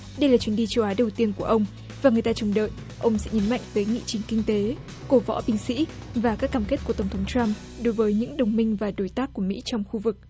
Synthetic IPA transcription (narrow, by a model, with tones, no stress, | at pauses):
ɗə˧jlaː˨˩t͡ɕwi˨˦nɗi˧t͡ɕə˧wʔaː˨˦ɗə˨˩wt̪i˧ənku˧˩əʔə˧wŋ͡m | vaː˨˩ŋɨ˨˩əjt̪aː˧t͡ɕʊ˨˩ŋ͡mɗə̰ː˧˨j | ʔə˧wŋ͡msɛ̰˧˥ɲə˨˦nma̰˧˨jŋ̟t̪əː˨˦jŋḭ˧˨t͡ɕï˨˩ŋ̟kï˧ŋt̪e˨˦ | ko˨˦vɔ̰˧˥ɓï˧ŋ̟sḭ˧˥vaː˨˩kaː˦˥kːaː˧˩mke˦˥t̚ku˧˩ət̪ə˧˩wŋ͡mt̪ʰə˨˦ŋ͡mt͡ɕa˧m | ɗo˨˦jvəː˨˦jɲɨ̰˧˥ŋɗə˨˩wŋ͡mmï˧ŋ̟vaː˨˩ɗo˨˦jt̪aː˦˥k̚ːu˧˩əmḭ˧˥t͡ɕɔ˧wŋ͡mxu˧vɨ˨˩k̚